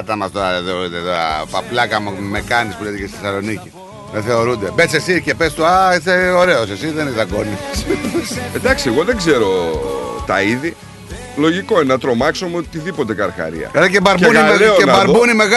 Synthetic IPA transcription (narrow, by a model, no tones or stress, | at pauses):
t̪ɐmɐst̪ðeoɾit̪et̪ɐ̰pɐplɐkɐmmekɐnispulet̪ecest̪iθesɐlo̞nici | ðeθe̞o̞ɾund̪e̞besesicepest̪uaiθeo̞ɾe̞osesiðenizt̪ɐɡo̞nissed̪ɐksieɣo̞ðe̞ɡze̞ɾo̞t̪ɐiði | lo̞ʝiko̞enenɐt̪ɾo̞mɐksomeot̪iðipo̞t̪e̞kɐɾxɐ̰ɾḭɐ̰eɾɐcebɐɾbuniɾeoebɐɾbunime̞ɣ